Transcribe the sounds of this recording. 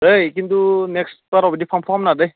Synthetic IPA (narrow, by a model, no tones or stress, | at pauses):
ɾejkintunɛkspaɾɔbɛdipʰampʰamnadej